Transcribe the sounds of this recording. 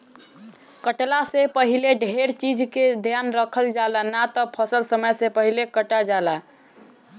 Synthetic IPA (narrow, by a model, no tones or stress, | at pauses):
kəʈlasepəɦileɖʱeɾt͡ʃid͡ʒked̪ʱjanɾəkʰəld͡ʒalanat̪ɔpʰəsəlsəməjsẽpəɦilekəʈad͡ʒala